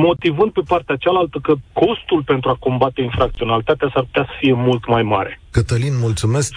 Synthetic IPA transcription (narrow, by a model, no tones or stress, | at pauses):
mo̞t̪ivɨnd̪̚pe̞part̪eat͡ʃalalt̪əkəkʰo̞st̪ulpe̞nt̪ɾuako̞mbat̪e̞infɾak̚t̪sio̞nalit̪at̪easarpu̥t̪easə̥fije̞mult̪majmaɾe̞kət̪əlinmult̪sumesk